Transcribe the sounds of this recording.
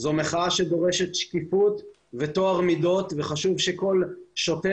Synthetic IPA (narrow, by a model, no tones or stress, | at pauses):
zo̞meχaaʃe̞d̪o̞ʁe̞ʃet̪ʃkifut̪ | vet̪o̞aʁmido̞t̪veχaʃuvʃeko̞lʃote